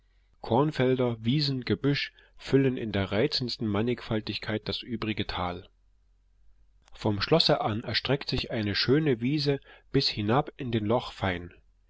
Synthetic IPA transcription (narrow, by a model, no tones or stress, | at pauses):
kʰɔɐnfɛldɐviːzn̩ɡ̥əbʏʃ | fʏlənɪndeːɐʁaɪt͡sn̩stn̩manɪkfaltɪçkʰaɪt̚d̥asʔyːbʁɪɡətʰaːl | fɔmʃlɔsəʔanʔɛɐʃtʁ̥ɛktz̥ɪçʔaɪnəʃøːnəviːzəb̥ɪshɪnapɪndeːnlɔχfaɪn